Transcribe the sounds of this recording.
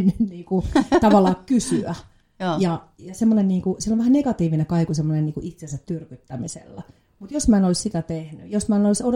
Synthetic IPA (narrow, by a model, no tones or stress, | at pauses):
nːynniːkut̪ɑʋɑlːˑɑːkkysyæ | jɑjɑsemːonenniːŋkusiloʋæhænneɡɑt̪iːʋinekɑikusemːonenniːkuʔit̪sensæt̪tyrkyt̪ːæmisḛlːæ | mut̪josmæˑːenolissit̪æt̪ehnyjosmæˑːnoliso